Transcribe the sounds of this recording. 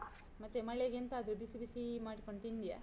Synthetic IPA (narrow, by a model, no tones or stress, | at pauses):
mɐt̪ːemɐɭeɡent̪ɐːd̪ɾubisibisimaːɽiko̞ɳɖt̪ind̪ija̰